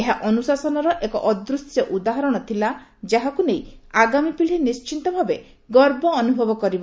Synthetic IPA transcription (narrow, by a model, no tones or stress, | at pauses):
eɦaʔɔnusasɔnɔɾɔʔekɔ̰ʔɔd̪ɾust̪jɔʔud̪aɦɔɾɔɽ̃ɔt̪ʰila | d͡ʒaɦakunejaɡamipiɭinist͡ʃint̪ɔbʱabe | ɡɔɾbɔːnubʱɔbɔkɔɾiba